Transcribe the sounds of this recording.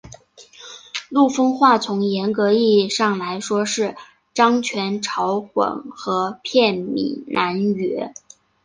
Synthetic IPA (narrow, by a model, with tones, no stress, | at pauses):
lu˥˩fɤ˥ŋxwa˥˩t͡sʰʊ˧˥ŋjɛ˧˥nkɤ˧˥i˥˧ʂɑ˥˩ŋla˧˥ɪʂwɔ˥ʂɻ̩˥˩ | ʈ͡ʂɑ˥ŋt͡ɕʰɥɛ˧˥nʈ͡ʂʰɑ˧˥ʊxwə̰˨˩nxɤ˧˥pʰjɛ˥˩nmḭ˨˩nʔa˧˥nɥɛ˧˥